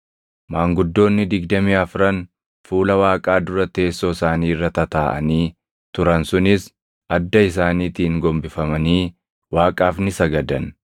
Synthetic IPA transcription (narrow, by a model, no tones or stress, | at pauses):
maːŋɡʊd̪ːo̞ːnːɪd̪ɪɡd̪ɐmɪɐfɾɐn | fuːlɐwaːkʼaːd̪ʊɾɐt̪e̞ːsːoːsaːniːrːɐt̪ɐt̪aːʔɐ̰niː | t̪ʊɾɐnsʊnɪs | ɐd̪ːɐɪs̬aːniːt̪iːŋɡɔmbɪfɐmɐniː | waːkʼaːfnɪsɐɡɐd̪ɐn